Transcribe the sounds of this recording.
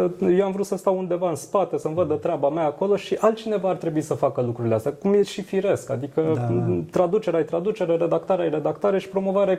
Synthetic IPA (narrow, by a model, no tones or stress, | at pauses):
jewamvɾut̪səst̪awund̪e̞vaɨnspat̪e̞səmvəd̪ət̪ɾeabameaːko̞lo̞ʃiʔalt͡ʃine̞vaːrt̪ɾe̞buisəfakəlukɾuɾileast̪jakumje̞ʃifiɾe̞skad̪ikət̪ɾad̪ut͡ʃeɾeajt̪ɾad̪ut͡ʃe̞ɾeɾe̞d̪akt̪aɾeajre̞d̪akt̪aɾe̞ʃi̥pɾo̞mo̞vaɾe